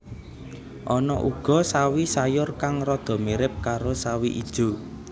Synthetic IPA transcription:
ʔɔnɔʔuɡ̥ɔ̤sawisajʊrkaŋrɔd̪̥ɔ̤miɾɪp̚kaɾosawiʔid̥ʒ̥o̤

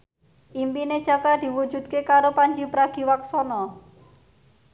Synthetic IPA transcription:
ʔimpined̥ʒ̥ä̤kad̪̥i̤wu̥d͡ʒ̥ṳd̪̚kekaɾopaɲd͡ʒipəɾaɡ̥i̤waksɔnɔ

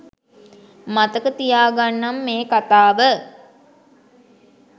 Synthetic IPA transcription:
mat̪əkət̪ijaːɡanːamːeːkat̪aːʋə

